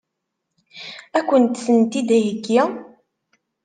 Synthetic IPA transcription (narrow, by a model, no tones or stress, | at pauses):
ækʷːənt̪sənt̪id̪æjəɡæ